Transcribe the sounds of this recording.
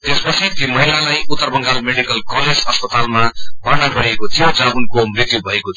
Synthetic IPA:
t̪espʌt͡sʰit̪imʌɦilalajut̪ːʌrbʌŋɡalmeɽikʌlkʌled͡zʌspʌt̪almabanaɡʌɾiekot̪ʰijot͡sʌunkomrit̪jubʱʌekot̪ʰ

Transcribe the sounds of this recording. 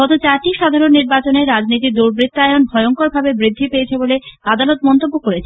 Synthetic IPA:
ɔt̪ot͡ɕaɾʈiʃad̪ʱaɾonːiɾbat͡ɕoneɾad͡ʑnit̪̬id̪uɾbɾit̪ːaeonbʱɔeoŋkoɾbʱabebɾid̪ʱːipeet͡ɕʰebolead̪alot̪̚mɔnt̪obːokoɾet͡ɕʰe

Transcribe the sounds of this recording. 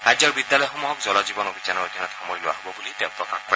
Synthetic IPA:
ɹajzɔɹbidjalɔjɔxɔmuɦɔkzɔlɔzibɔnobʱizanɔɹodʱinɔtxɔmɔjlʊwa̰ɦobɔbulitɛʊpɹɔkaxkɔɹ

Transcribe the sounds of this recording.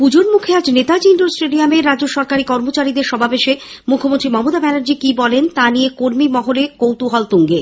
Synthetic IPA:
pud͡ʑoɾmukʰead͡ʑnet̪ad͡ʑiɳɖoɾsʈeɖiameɾadːoʃɔɾkaɾikɔɾmot͡ɕaɾid̪eɾʃɔbʱapeʃe | mukʰːomont̪ɾimɔmot̪abɛnaɾd͡ʑikibɔlent̪anijekoɾmimɔɦolekowt̪uɦɔlt̪uŋɡe

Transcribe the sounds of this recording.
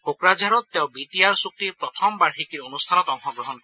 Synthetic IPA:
okɾad͡ʒaɾɔt̪ːew̃bit̪iaɹsuk̚t̪ipɹɔt̪ʰɔmbaɹxikiɾonust̪ʰanɔt̪ɔŋxɔɡɾɔɦɔn

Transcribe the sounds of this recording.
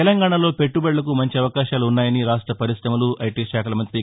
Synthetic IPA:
ɛlɐŋɡaːɳɐlo̞ːpe̞ʈːubɛɭːɐk̬umɐɲt͡ʃiɐʋɐkaːʃaːluːnːaːjɐniɾaːʂʈɾɐpɐɾisɾɐmɐluʔɐjʈiːʃaːkɐlɐmɐnt̪ɾi

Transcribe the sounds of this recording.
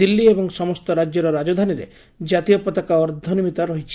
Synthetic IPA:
ilːiebɔŋsɔmɔst̪ɔɾad͡ʒjɔɾɔɾad͡ʒɔd̪ʱaniɾḛ | d͡ʒat̪ijɔpɔt̪akaɔɾd̪ʱɔnimit̪aɾɔɦit͡ʃʰi

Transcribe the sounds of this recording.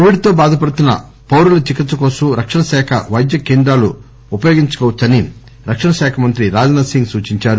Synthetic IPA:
iʋiɽit̪oːbaːd̪ʱɐpɐɽut̪unːɐ̰ | poːɾulɐt͡ʃikit̪sːɐkoːsuɾɐkʂɐɳɐsɛːkʰɐʋɐjd̪jɐkeːnd̪ɾaːluː | pɐjoːɡiɲt͡ʃɐ̥kɔːʋɐt̪sɐni | ɾɐkʂɐɳɐsɛːkʰɐmɐnt̪ɾiɾaːd͡ʒɐnɐsiŋɡsuːt͡ʃiɲt͡ʃaːɾu

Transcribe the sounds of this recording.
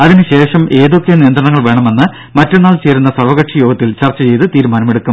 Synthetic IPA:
ɐðinɨɕe̞ːʂɐmʔe̞ːðo̞kːejɐnijɐnd̪rɐɳɐŋːɐɭʋeːɳɐme̞nːɨ | mɐtːenːaːlt͡ɕe̞ːɾunːɐsɐrʋɐɣɐʈʂɐjo̞ːɡɐt̪ːilt͡ɕɐrt͡ɕːɐt͡ɕe̞jt̪ɨt̪iːɾumaːnɐmeɽukːu

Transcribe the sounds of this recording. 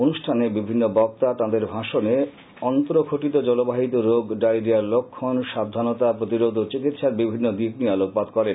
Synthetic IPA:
onuʃʈʰanebibʱinːobɔk̚t̪at̪ad̪eɾbʱaʃone | ɔnt̪oɾokʰoʈit̪od͡ʑɔlobaɦit̪oɾoɡɖajɾiaɾlokʰːonʃab̚d̪ʱanot̪apɾot̪iɾod̪ʱot͡ɕikit̪ʃaɾbibʱinːod̪iknialok̚pad̪kɔɾen

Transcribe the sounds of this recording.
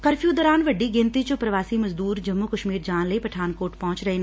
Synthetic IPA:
kɐɾfjũːd̪ɐɾaːnʋɐɖːiɡɪ̃nt̪it͡ʃopɾɐʋaːsimɐzd̪uːɾd͡ʒɐmːukɐʃmiːɾd͡ʒaːnlɐipɐʈʰaːnkoːʈpɐɦʊ̃t͡ʃɾɐɦeːn

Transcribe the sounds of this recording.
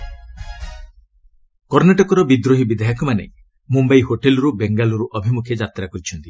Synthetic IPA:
kɔɾnaʈɔkɔɾɔbid̪ɾoɦibid̪aɦakʰɔmanḛ | mumbajhoʈelɔɾubeŋɡalɔɾuʔɔbʱimukʰjed͡ʒat̪ɾakɔɾit͡ʃʰɔnt̪i

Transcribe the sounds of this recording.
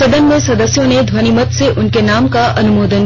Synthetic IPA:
ɐd̪ənmẽsɐd̪əsjõned̪ʱwɐnimət̪seʔʊnkenaːmkaʔɐnʊmoːd̪ən

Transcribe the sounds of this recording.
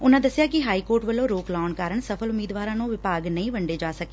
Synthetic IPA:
ʊnãːd̪əsːɪjaːkɪɦaːiːkoːɾʈʋəlːõːɾoːklaːnkaːɾəɳsəpʰəlʊmːiːd̪ʋaːɾãːnõːʋɪpaːɡnə̃ĩːʋəɳɖeːd͡ʒaːsəkeː

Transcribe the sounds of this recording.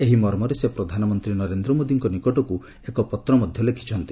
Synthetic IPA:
eɦimɔɾmɔɾesepɾɔd̪ʱanɔmɔnt̪ɾinɔɾend̪ɾɔmod̪iŋkɔnikɔʈɔku | ekɔpɔt̪ɾɔmɔd̪ʱjɔlekʰi̥t͡ʃʰɔnt̪i̥

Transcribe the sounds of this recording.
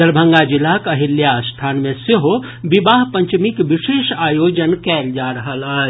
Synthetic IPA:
əɾbʱəŋɡad͡ʒilːakəɦiljast̪ʰanmẽseɦo | bibaɦpəɲt͡ʃmikʋiʃeːʃajod͡ʒənkɛld͡ʒaɾəɦəlaː

